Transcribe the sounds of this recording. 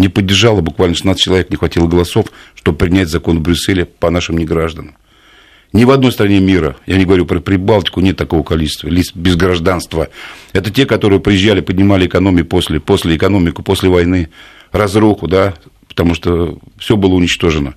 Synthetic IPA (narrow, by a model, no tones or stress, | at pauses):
nʲɪpədʲːɪrʐalˠəbʊkvalʲnʂɨsnat̪sə̥t͡ɕɪlˠɐvʲeknʲɪxvɐtʲilˠəɡəlˠɐso̞fʂt̪ob̚əpɾʲɪnʲætʲzɐko̞nvbɾʲʊsːelʲɪpɐnaʂɨmnʲɪɡɾaʐd̪ənəm | nʲɪvɐd̪no̞jst̪ɾɐnʲemʲiɾə̰janʲɪɡəvɐɾʲupɾəpɾʲɪbalˠtʲɪ̥kʊnʲet̪ːɐko̞vəkɐlʲit͡ɕɪ̥st̪vəlʲisbʲɪzɡɾɐʐd̪anst̪vəɛt̪ətʲekɐt̪o̞ɾɨjɪpɾʲɪjɪʑːælʲɪpədʲnʲɪmalʲɪɪkɐno̞mʲɪʊposʲlʲɪpo̞sʲlʲɪɪkɐno̞mʲɪkʊpo̞sʲlʲɪvɐjnɨ | rɐzɾuxʊd̪apə̥t̪ɐmuʂt̪ofsʲo̞bɨlˠəʊnʲɪt͡ɕt̪o̞ʐɨnə